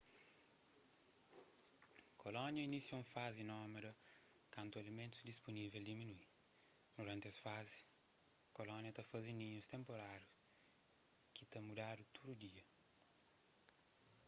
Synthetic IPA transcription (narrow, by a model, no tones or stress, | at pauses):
kolɔ̃njɐinisiɐũfazɪnɔmɐd̪ɐ | kɐ̃nt̪uɐlimẽnt̪ʊ̥zd̪ispunivɛld̪iminui | d̪uɾɐ̃nt̪ɪɐsfazɪs | kolɔ̃njɐt̪ɐfɐzinĩɲust̪ẽmpoɾaɾjus | kɪt̪ɐmud̪ad̪ut̪ʰod̪ud̪iɐ